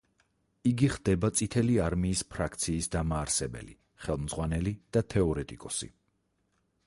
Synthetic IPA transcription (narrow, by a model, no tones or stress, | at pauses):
iɡiχd̪̥ɛbat̪sʼit̪ʰɛliaɾmiːspʰɾakʰt̪sʰiːsd̪amaːɾsɛbɛ̰lḭ | χɛlˠmd̪zʁwanɛlid̪̥at̪ʰɛɔɾɛt̪ʼikʼɔsḭ